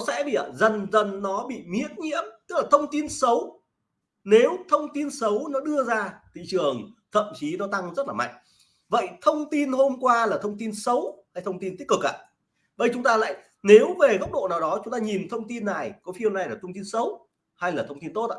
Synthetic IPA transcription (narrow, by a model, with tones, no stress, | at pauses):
ɔ˨˦sɛ̰˧˥ɓḭ˧˨ʔə˨˩zə˨˩nzə˨˩nːɔ˨˦ɓḭ˧˨mḭ˧˥ən̚ɲḭ˧˥əmt̪ɨ˦˥k̚laː˨˩t̪ʰə˧wŋ͡mt̪i˧nsə˨˦w | ne˨˦wt̪ʰə˧wŋ͡mt̪i˧nsə˨˦wnɔ˨˦ɗɨ˧əzaː˧t̪ʰḭ˧˨t͡ɕɨ˨˩əŋt̪ʰə̰˧˨mt͡ɕi˨˦nɔ˨˦t̪a˧ŋzə˦˥t̚laː˨˩ma̰˧˨jŋ̟ | və̰˧˨jt̪ʰə˧wŋ͡mt̪i˧nho˧mkwaː˧laː˨˩t̪ʰə˧wŋ͡mt̪i˧nsə˨˦wha˧jt̪ʰə˧wŋ͡mt̪i˧nt̪i˦˥ək̚ɨ˨˩kʔa̰ː˧˨ | ɓə˧jt͡ɕʊ˨˦ŋ͡mt̪aː˧la̰ː˧˨j | ne˨˦wve˨˩ɣə˦˥k͡p̚ɗo̰˧˨naː˨˩wɗɔ˨˦t͡ɕʊ˨˦ŋ͡mt̪aː˧ɲi˨˩nt̪ʰə˧wŋ͡mt̪i˧nːa˨˩jkɔ˨˦fi˧əwna˨˩jlaː˨˩t̪ʰə˧wŋ͡mt̪i˧nsə˨˦w | ha˧jlaː˨˩t̪ʰə˧wŋ͡mt̪i˧nt̪o˦˥t̚ʔa̰ː˧˩